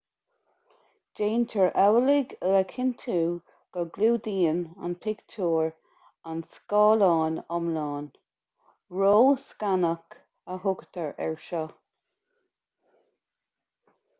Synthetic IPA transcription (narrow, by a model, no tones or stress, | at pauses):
d͡ʒ̥eːntʰəɹʔɛwəlɪɡələkʰɪnt̪ʰuː | ɡ̥əɡluːd̪iːəna̰npʰɪɡ̥tʰuːɹ | anskɑːlɑːnɔmlɑːn | ɹoːskanək | əhʊɡət̪ʰəɹʔɛ̰ɹʃɔ